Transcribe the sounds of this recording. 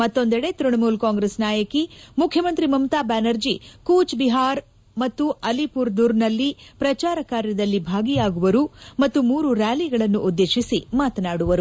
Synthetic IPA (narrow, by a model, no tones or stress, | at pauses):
mɐt̪ːo̞nd̪ɛɽet̪ɾuɳmuːlkaːŋɡɾesnaːjɐkimukʰjɐmɐnt̪ɾimɐmt̪aːbaːnɐɾd͡ʒikuːt͡ʃbiɦaːɾ | mɐt̪ːuɐlipuːɾd̪uːɾnɐlːipɾɐt͡ʃaːɾɐkaːɾjɐd̪ɐlːibʱaːɡijaːɡuʋɐɾumɐt̪ːumuːɾuɾaːliɡɐɭɐnːuʔːd̪ːe̞ːʃisimaːt̪ɐnaːɽuʋɐɾu